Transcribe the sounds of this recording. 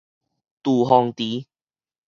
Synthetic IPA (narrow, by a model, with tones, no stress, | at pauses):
t̪u˨˩ɦɔ˨˧ŋt̪i˨˦